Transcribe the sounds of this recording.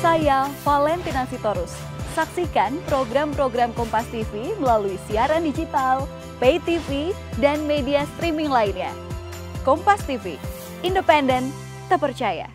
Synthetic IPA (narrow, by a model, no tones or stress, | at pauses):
sajafalɛnt̪inasit̪oɾʊsː | aksikanpɾoɡɾampɾoɡɾamkɔmpast̪ifiməlaluisiaɾandid͡ʒit̪al | pet̪ifi | danmediast̪ɾimiŋlainɲa̰ | kɔmpast̪ifḭ | indəpɛndən | t̪əpərt͡ʃaja̰